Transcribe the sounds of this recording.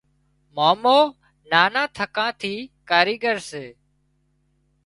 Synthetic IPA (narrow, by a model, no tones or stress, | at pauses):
moːmoː | naːnãːt̪ʰəkãːt̪ʰiːkaːɾiːɠəɾseː